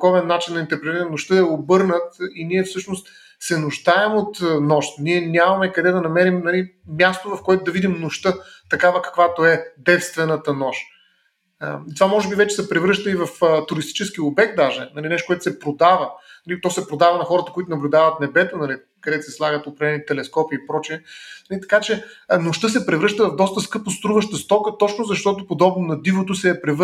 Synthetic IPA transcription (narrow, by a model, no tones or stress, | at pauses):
kɔvɛnːat͡ʃinːɐint̪ɛɾpɾɛt̪ɛnnʊʃt̪əɛobɤɾnət̪iniɛfsɤʃnost̪ | sɛnʊʒd̪aɛmot̪nɔʃt̪niɛnʲamɐmɛkɐd̪ɛd̪ɐnɐmɛɾimnɐlimjast̪ovɐfkoɛt̪ʊd̪ɐvid̪imnoʃt̪ɤ | t̪ɐkavəkɐ̥kvat̪oɛd̪ɛt̪st̪vɛnət̪ənɔʃ | t̪ovamɔʒɛbivɛt͡ʃɛ̥sɛpɾɛvɾɤʃt̪əivɐft̪ʊɾist̪i̥t͡ʃɛsk̟iobɛk̚t̪̚d̪aʒɛnɐlinɛʃt̪okoɛt̪ʊ̥sɛpɾod̪avənɐlit̪ɔsɛpɾod̪avɐnɐxɔɾət̪əkoit̪ʊnɐblʲʊd̪avət̪̚nɛbɛt̪onɐli | kɐd̪ɛt̪ʊsɛslˠaɡət̪ʊpɾɐvlɛnit̪ɛlɛskɔpiːpɾɔt͡ʃiɛnɐlit̪ɐ̥kat͡ʃɛnoʃt̪ɤs̬ɛpɾɛvɾɤʃt̪əvɐvd̪ɔst̪əskɤpʊst̪ɾuvəʃt̪əst̪ɔkət̪ɔt͡ʃnʊzɐʃt̪ɔt̪ʊpod̪ɔbnonɐd̪ivot̪ʊsɛːpɾɛv